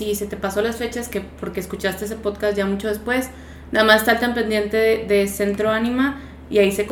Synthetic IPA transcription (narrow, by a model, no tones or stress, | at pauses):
ise̞t̪e̞paso̞lasfe̞t͡ʃaeske̞po̞ɾkeeskut͡ʃast̪e̞es̬epoðkasʝamut͡ʃo̞ð̞e̞spwe̞s | naamasest̪alt̪ampend̪je̞nt̪eðeðese̞nt̪ɾo̞anĩma | iaise̞ko